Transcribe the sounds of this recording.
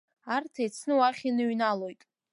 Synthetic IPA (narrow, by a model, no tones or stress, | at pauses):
artʰet͡sʰnɨwaχʲinɨɥnalo̞jtʼ